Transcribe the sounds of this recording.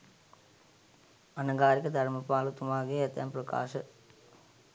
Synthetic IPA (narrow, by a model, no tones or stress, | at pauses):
ɐnɐɡaːɾikːɐd̪ɐɾɐmɐpːaːlut̪ːumaːɡijet̪ːɐ̰mprɐka̰ːʂɨ